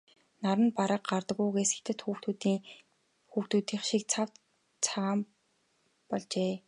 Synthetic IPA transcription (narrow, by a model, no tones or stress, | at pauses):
naɾə̆npaɾə̆q̚ɢart̪ə̆ɣuːɣesɘ̥̆xt̪ɘ̆t̪xuːxt̪ut̪ː | xuːxt̪uːt̪iːχʃik̚t͡sʰaw | t͡sʰaʁaːm | pɔɮt͡ɕeː